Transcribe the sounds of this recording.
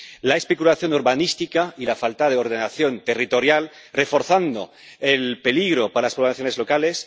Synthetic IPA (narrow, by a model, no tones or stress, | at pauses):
laespekulaθjo̞nuɾβanist̪ikailafalt̪aðeoɾðenaθjo̞nt̪erit̪o̞ɾjal | refo̞ɾθand̪o | elpe̞liɣɾopaɾalaspɾoaθjonezlo̞kales